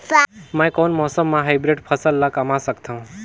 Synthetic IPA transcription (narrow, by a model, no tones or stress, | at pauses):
mãj̃konmɔːsəmːãɦajbɾeɖpʰəsəlːakəmasəkt̪ʰãũ